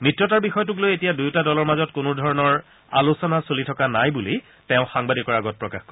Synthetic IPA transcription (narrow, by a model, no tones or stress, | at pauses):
mitːɹɔtaɹbixɔjɔtʊk̬lojetijadujtadɔlɔɹmazɔtkʊnʊdʱɔɹɔnɔɹ | a̰lusɔnasolitʰɔkanajbuli | tɛʊ̃xaŋbadikɔɹaɡɔt̚pɹɔkaxkɔ